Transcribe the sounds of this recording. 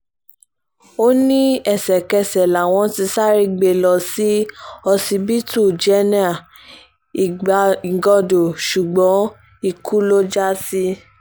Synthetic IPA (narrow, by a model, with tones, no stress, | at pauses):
o˦nĩ˦ɛ˦˨sɛ˨kɛ˧sɛ˨la˨w̃ɔ̃˧ti˧sa˦ɾi˧ɡ͡be˧lɔ˧si˦ɔ˧si˧bi˦tu˦˨d͡ʒɛ˨˦ni˦a˦˨ | i˨ɡɔ˧do˨ʃu˨ɡ͡bɔ̃˨˦ | i˨ku˦lo˦d͡ʒa˦si˦